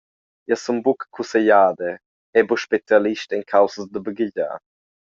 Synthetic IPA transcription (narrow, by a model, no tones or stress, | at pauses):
iəsumbukkʰːuseʎaːd̪e | ɛbuʃpet͡sjaliʃtiŋkʰawsəsd̪əbəɡiɟa̰ː